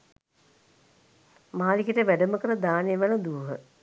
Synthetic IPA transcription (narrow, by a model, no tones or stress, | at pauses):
maːlikiʈəʋæɖəməkəɾəd̪aːnejʋanəd̪uːɦə